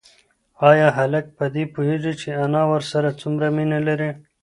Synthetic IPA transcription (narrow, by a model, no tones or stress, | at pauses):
ɑːjɑːɦɐlɐk̚pad̪ipuɦeʐit͡ʃʰeɐnɑwɐɾsɐɾat͡sumɾaminelɐɾe